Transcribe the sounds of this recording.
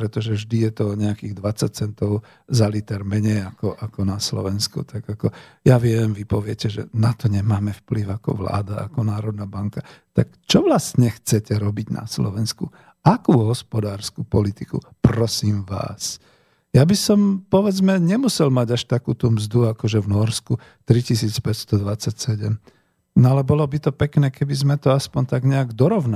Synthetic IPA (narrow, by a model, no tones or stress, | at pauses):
pɾɛt̪ɔʒɛvʒd̪ijɛt̪ɔɔɲɛakiːɣd̪ʋat͡sac̚t͡sɛnt̪ɔʊ | zalit̪ɛɾmɛɲɛjakɔʔakɔnaslɔ̰ʋɛnskṵt̪aɡakɔjaʋɪɛmʋipɔʋɪɛcɛʒɛ̰nat̪ɔɲɛmaːmɛfpliʊakɔ̰ʋla̰ːd̪aa̰kɔnaːɾɔd̪̚nabaŋkat̪akt͡ʃɔʋlast̪ɲɛxt͡sɛcɛɾɔbiɟnʔa̰slɔ̰ʋɛnsku | akuːɦɔspɔd̪aːɾskupɔlit̪ikṵ | pɾɔsiːmʋa̰ːs | jabisɔmpɔʋɛd͡zmɛɲɛmusɛlmaɟaʃt̪akuːt̪uːmzd̪uakɔʒɛʋnɔɾsku | t̪ɾicis̬iːt͡spɛcst̪ɔd̪ʋat͡sːacsɛɟɛm | nɔalɛbɔlɔbit̪ɔpɛknɛːkɛbizmɛt̪ɔaspɔɲt̪aɡɲɛaɡd̪ɔɾɔʊna